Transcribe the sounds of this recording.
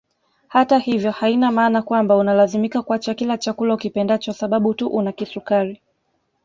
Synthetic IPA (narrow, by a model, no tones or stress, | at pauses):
hatahivjɔhainamaːnakwambaunalazimikakuat͡ʃakilat͡ʃakulaukipɛndat͡ʃasaɓaɓutuʔunakisukaɾi